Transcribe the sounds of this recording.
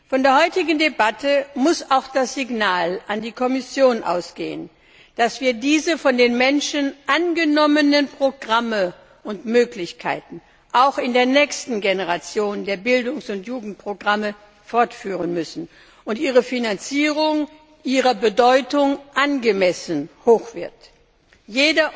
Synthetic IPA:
fɔndeːɐhɔʏtɪɡn̩debatʰəmʊsaʊxd̥asz̥ɪɡnaːlʔandiːkʰɔmɪsjoːnʔa̰ʊsɡ̥ḛːə̰n | d̥asv̥iːɐdiːzəfɔndeːnmɛnʃənʔanɡənɔmənənpʁ̥oɡʁamə | ʊntmøːklɪçkʰa̰ɪtn̩ | ʔaʊxɪndeːɐnɛːçstn̩ɡenəʁat͡sjoːndeːɐbɪldʊŋsʊntjuːɡŋ̩t̚pʁ̥oɡʁamə | fɔɐtfyːʁənmʏsn̩ | ʔʊntʔiːʁ̞əfinant͡siːʁ̞ʊŋ | ʔiːʁɐbədɔʏtʊŋʔanɡəmɛsən̩hoːxv̥ɪɐt | jeːdɐ

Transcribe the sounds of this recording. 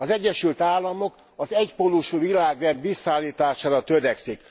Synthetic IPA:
ɒzɛɟːɛʃylt̪aːlːɒmo̞k | ɒzɛcpolːuʃuvilaːɡrɛnd̪ʋisːaːlːiːt̪aːʃaːɾɒt̪øɾɛksik

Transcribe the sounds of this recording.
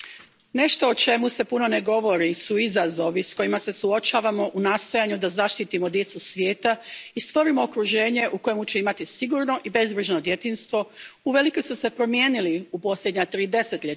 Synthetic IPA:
ne̞ʃt̪o̞ot͡ʃe̞muse̞puno̞ne̞ɡo̞ʋo̞ɾisuizazo̞ʋisko̞jimase̞suot͡ʃaːʋamo̞ʔunaːst̪o̞jaɲud̪azaʃt̪it̪imo̞d̪je̞t̪susʋjeːt̪aist̪ʋo̞ɾimo̞okɾuʒe̞ːɲe̞ʔuko̞je̞mut͡ɕe̞imat̪isiɡuɾno̞ʔibe̞zbɾiʒno̞d̪je̞t̪iːnst̪ʋo̞uʋe̞liko̞jsuse̞pɾo̞mjeːniliupo̞slʎʲjed̪ɲat̪ɾiːd̪e̞se̞t̪ʎe

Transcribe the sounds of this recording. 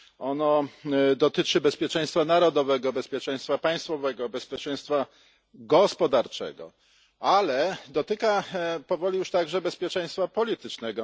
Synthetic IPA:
ɔnɔd̪ɔt̪ɘt͡ʂɘbɛspʲjɛt͡ʂɛ̃j̃st̪fanaɾɔd̪ɔvɛɡɔbɛspʲjɛt͡ʂɛj̃st̪fapaj̃st̪fɔvɛɡɔbɛspʲjɛt͡ʂɛ̃j̃st̪fa | ɡɔspɔd̪aɾt͡ʂɛ̰ɡɔ̰ | alɛd̪ɔt̪ɘkapɔvɔlʲijuʂt̪aɡʐɛbɛspʲjɛt͡ʂɛ̃j̃st̪fapɔlʲit̪ɘt͡ʂnɛɡɔ

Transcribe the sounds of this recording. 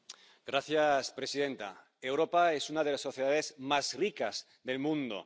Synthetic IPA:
ɡ̥ɾaθjaspɾesiðẽ̞nt̪a̰ | ewɾo̞paesunað̞elasːo̞θjeðaðezmazrikaz | ðe̞lmũnd̪o̰

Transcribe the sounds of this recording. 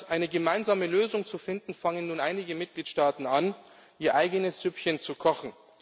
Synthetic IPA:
ʔaɪnəɡəmaɪnzaːməløːzʊŋt͡sufɪndn̩faŋənːuːnʔaɪnɪɡəmɪt̚ɡ̥liːtʃtaːtn̩an | ʔiːɐʔaɪɡənəsz̥ʏpçənt͡sukʰɔxn̩

